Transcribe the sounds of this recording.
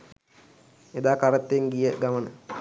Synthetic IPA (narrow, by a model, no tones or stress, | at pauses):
ed̪aːkaɾət̪ːeŋɡijəɡamənə̰